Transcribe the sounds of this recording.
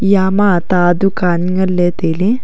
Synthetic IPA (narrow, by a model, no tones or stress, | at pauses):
jaːmaːt̪aːd̪ukaːnɡɐlːeːt̪eːli